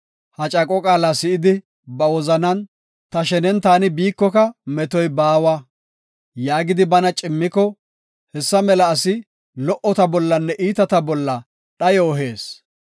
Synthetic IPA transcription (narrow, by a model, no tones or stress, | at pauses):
hɐt͡ʃʼɐkʼɔkʼaːlasɪɪd̪ɪ | bɐwɔzɐnɐn | t̪ɐʃɛnɛnt̪aːnɪbiːkːɔkɐmɛt̪ɔjbaːwɐ | jaːɡɪd̪ɪbɐnɐt͡ʃʼɪmːɪkɔ | hɛsːɐmɛlɐːsɪ | lɔʔɔt̪ɐbɔlːɐnːɛʔiːt̪ɐt̪ɐbɔlːɐ | ɗɐjɔːɦe̞ːs